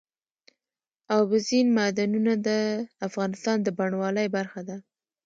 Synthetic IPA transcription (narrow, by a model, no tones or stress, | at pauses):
ɑbɪzinmad̪anunad̪əafɣɑnɪst̪ɑnd̪əbaɳwɑləjbaɾxad̪a